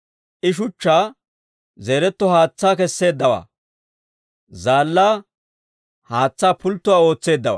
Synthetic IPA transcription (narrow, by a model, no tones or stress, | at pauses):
ʔɪʃ̬ʊt͡ʃːaː | zeːɾɛt̪ːɔhaːt͡sːaːkɛsːe̞ːd̪ːɐwa̰ː | zaːlːaː | haːt͡sːaːpʊlt̪ːʊwaːo̞ːt͡sːe̞ːd̪ːɐwa̰